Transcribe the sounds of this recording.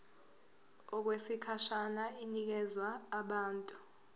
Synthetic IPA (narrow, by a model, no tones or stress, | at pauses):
ɔk̬wesikʰaʃanainik̬ɛzwaːɓaːntʼu